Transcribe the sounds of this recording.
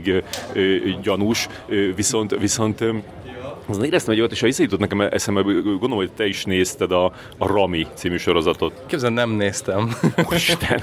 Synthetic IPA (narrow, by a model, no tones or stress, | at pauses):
ɡøːɟɒnuʃ | øviso̞nt̪viso̞nt̪ | sonneːɾɛst̪ɛmɛɟojt̪eːʃɒvisːɛjut̪ot̪nɛkɛmɛʔɛ̰sɛmːɛɡond̪oomːhojt̪ɛiʃneːst̪ɛd̪ɒː | rɒmit̪siːmyːʃo̞ɾo̞zɒt̪o̞t̪keːbzɛnɛmneːst̪ɛmʃt̪ɛn